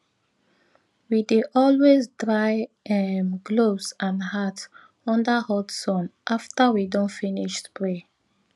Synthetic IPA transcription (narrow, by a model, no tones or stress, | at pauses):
wideʔɔlwezdɹaɪ | ɛmɡlosãnhat | ɔ̃ndahɔtsɔ̃nʔaftawidɔ̃nfiniʃspɹe